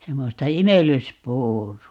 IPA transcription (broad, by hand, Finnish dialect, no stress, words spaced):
semːostɑ imelˑyspuːruɑ